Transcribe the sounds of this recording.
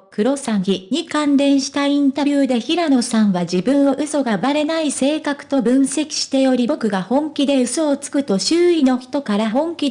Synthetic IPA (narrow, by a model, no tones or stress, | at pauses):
kɯ̟ɾo̞sãɰ̃çʲiɲ̟ikãnd̪ẽ̞ɰ̃ɕi̥t̪aĩnt̪abʲɯːd̪e̞çiɾano̞sãɰ̃βad͡ʑibɯ̟̃ɰ̃o̞ʔɯ̟so̞ɡabaɾe̞naise̞ːkakɯ̟̥t̪o̞bɯ̟̃ɰ̃se̞kʲi̥ɕi̥t̪e̞jo̞ɾʲibo̞kɯ̟ɡahõ̞ŋkʲid̪e̞ɯ̟so̞ːt͡sɨ̥kɯ̟t̪o̞ɕɨːino̞çi̥t̪o̞kaɾahõ̞ŋkʲi